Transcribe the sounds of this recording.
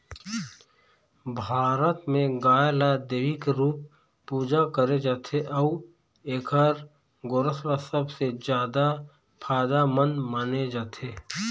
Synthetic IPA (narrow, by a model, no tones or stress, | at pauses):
bʱaːɾət̪mẽɡaːjlad̪eːʋɪkɾuːp̚ː | uːd͡ʒakəɾed͡ʒaːt̪ʰeʔɔu | eːkəɾ | ɡoɾəslasɐbsed͡ʒjaːd̪a | pʰaːd̪amə̃nmaːned͡ʒaːt̪ʰeː